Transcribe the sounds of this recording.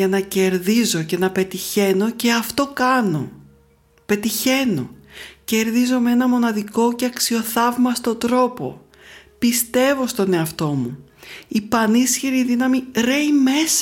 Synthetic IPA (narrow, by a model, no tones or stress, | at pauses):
ɐnɐce̞ɾðizo̞ce̞nɐpe̞t̪içe̞no̞ce̞ɐft̪o̞kɐno̞̰ | pe̞t̪içe̞no̞̰ce̞ɾðizo̞mee̞nɐmo̞nɐðiko̞ce̞ɐksio̞θɐvmɐst̪o̞d̪ɾo̞po̞̰ | pist̪e̞vo̞st̪o̞ne̞ɐft̪o̞muipɐnisçiɾiðinɐmiɾe̞jme̞s